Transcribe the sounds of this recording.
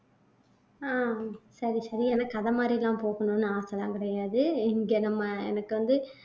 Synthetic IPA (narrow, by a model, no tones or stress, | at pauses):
aːsɐɾisɐɾiɛnaːkɐðɐmaːd̪ɾɪlːãːmpoːɣɐɳõːnːɯaːsɐlãːŋkɪɽɐjaːðɯɪŋɡeːnɐmːɐɛ̰nɐkːɯʋɐnd̪ɯ